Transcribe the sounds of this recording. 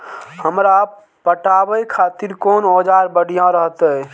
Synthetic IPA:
həmɾa | pəʈabəjkʰaːt̪iɾkoːnod͡ʒaɾbəɽ̤ʱijãɾəɦt̪ə

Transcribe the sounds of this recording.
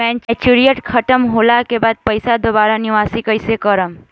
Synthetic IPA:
ɛ̃nt͡ʃɛt͡ʃuɾijəʈkʰəʈəmɦoːlakebaːd̪̚pəjsad̪obaːɾaniʋaːsikəjsekəɾəm

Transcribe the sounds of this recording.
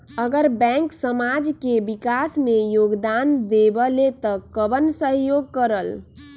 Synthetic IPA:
əɡəɾbɛ̃ŋksəmad͡ʒkebikasmejoɡd̪and̪ebəlet̪əkəbənsəɦjoɡ̚kəɾəl

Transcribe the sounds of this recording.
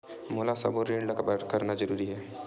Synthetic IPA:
moːlasɐ̰boɾẽːɳɖlɾkəɾnazəɾuːɾiɦɛː

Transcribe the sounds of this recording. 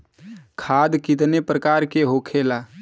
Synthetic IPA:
kʰaːd̪kɪt̪nepɾəkaːɾkeɦokʰeːlaː

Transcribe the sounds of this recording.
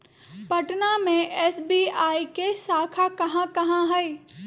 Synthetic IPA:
pɐʈnamẽʔɛːsbiːaːikesaːkʰakɐɦãkɐɦãɦɛe

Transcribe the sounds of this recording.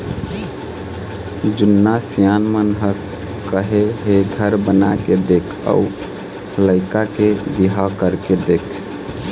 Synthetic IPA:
d͡ʒunːasijanmənɦə | kəɦeɦeɡʱəɾbəna̰ked̪ekʰa̰u | ləɪkakebiɦakəɾked̪ekʰ

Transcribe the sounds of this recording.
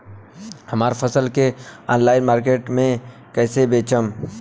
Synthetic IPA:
hɐmaːɾfɐsəlkea̰ːnlaːɪnmaːɾk̬eːʈmẽ | kɛːsebeːt͡ʃəm

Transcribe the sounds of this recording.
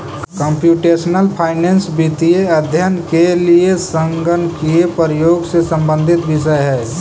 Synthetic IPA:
kəmpjuːʈeːsnəlpʰaːɪneːnsbit̪ieəd̪ʱjənkeliesəŋɡənkiepəɾəjoːɡsesə̃mbə̃nd̪ʱɪt̪ʋɪʃəjɦɛː

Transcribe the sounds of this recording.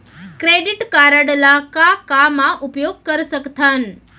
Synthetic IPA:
kɾeɖiʈkaɾəɽlakakamãʔupjoɡ̚kəɾʃəkt̪ʰan

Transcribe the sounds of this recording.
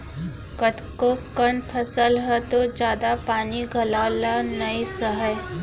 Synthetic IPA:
kət̪kokənpʰəsəlɦɛt̪od͡ʒjaːd̪apaːniɡʱɐlaːlanɐisəɦəj

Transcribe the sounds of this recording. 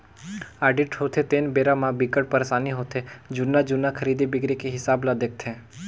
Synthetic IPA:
aːɖɪʈɦot̪ʰet̪eːnbeːɾamãbikəɽ̚pəɾsaːniɦot̪ʰed͡ʒʊnːad͡ʒʊnːakʰəɾiːd̪ibɪɡɾikeɦɪsaːblad̪ek̚t̪ʰẽː

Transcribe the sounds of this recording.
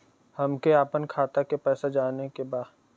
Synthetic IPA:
hɐmkeaːpənkʰaːt̪akepɛːsad͡ʒaːnekebaːd̪

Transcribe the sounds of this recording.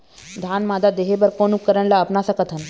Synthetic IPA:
d̪ʱanmad̪ad̪eɦebəɾkonukːəɾəɳlaəpnasakət̪ʰən

